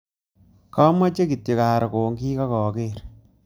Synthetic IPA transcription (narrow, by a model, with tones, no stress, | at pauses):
kɔ˦ma˦t͡ʃe˦ki˨tje˨ka˨ɾɔ˨koː˨ŋɡiː˦kɔ˦kɔː˨ke˦ɾ